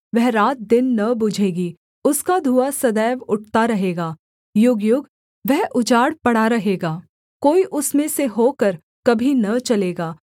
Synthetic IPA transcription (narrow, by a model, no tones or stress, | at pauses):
ʋɛɦɾaːt̪̚d̪ɪnːɐbʊd͡ʒʱeːɡi | ʊskad̪ʱuːasɐd̪ɛːʋʊʈ̚ʰt̪aɾɐɦeːɡaː | jʊɡjʊɡ | ʋɛɦʔʊd͡ʒaːɽpɐɽaɾɐɦeːɡaː | koːiʔʊsmẽseɦoːkəɾ | kɐbʱinɐt͡ʃɐleːɡaː